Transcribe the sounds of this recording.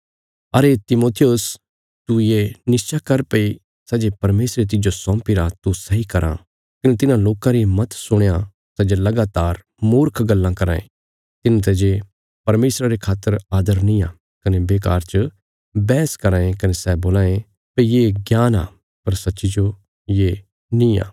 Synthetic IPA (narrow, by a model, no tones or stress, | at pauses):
ɐɾet̪ɪmoːt̪ʰijʊs | t̪ujenɪst͡ʃakɐɾpɐi | sɛd͡ʒepɐɾmeːsɾet̪̬ɪd͡ʒosɔ̃ːmpiɾat̪usɐɦikɐɾʔã̰ | kɐnet̪̬ɪnãloːkãɾimɐt̪sʊɽ̃jã | sɛd͡ʒelɐɡaːt̪aːɾ | mʊːɾkʰɡɐlːãkɐɾa̰ːḛ̃ | t̪ɪnãt̪̬ɛd͡ʒe | pɐɾmeːsɾaɾekʰaːt̪ːəɾaːd̪əɾnĩaː | kɐnebeːkaːɾt͡ʃə | bɛːskɐɾãːẽkɐnesɛboːlãːẽ | pejeɡjaːna̰ː | pɐɾsɐtːʃid͡ʒo | je | nĩa̰ː